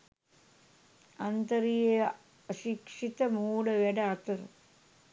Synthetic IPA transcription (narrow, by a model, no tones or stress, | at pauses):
ɐnt̪ɐɾije | ʃikʂit̪ɐmuːɽɐʋeɖɐːt̪ɐɾ